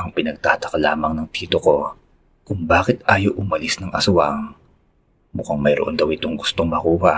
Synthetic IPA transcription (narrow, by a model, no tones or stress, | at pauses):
ʔɐŋpɪnɐɡ̚t̪a̰ːt̪ɐ̥kɐla̰ːmɐŋnɐŋt̪iːt̪oko̞ | kʊŋbaːkɪt̪̚ʔaːjoʔʊmɐlisnɐŋʔɐsʊɐŋ | mʊkaŋmɐjɾoʔo̞nd̪ɐwɪt̪oŋɡʊst̪oŋmɐkuːɦa